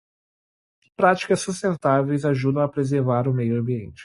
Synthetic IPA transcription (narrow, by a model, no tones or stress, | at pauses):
pɾat͡ʃi̥kɐsːust̪ẽnt̪avejzaʒud̪ɐ̃w̃apɾezeɾvaɾʊmejʊɐ̃mbiḛ̃nt͡ʃɪ̥